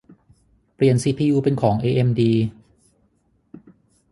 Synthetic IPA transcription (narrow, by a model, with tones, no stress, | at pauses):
pɾi˨˩ənsiː˧˩pʰiː˧juː˧pe˧nkʰɔː˩˦ŋʔeː˧ʔe˧mdiː˧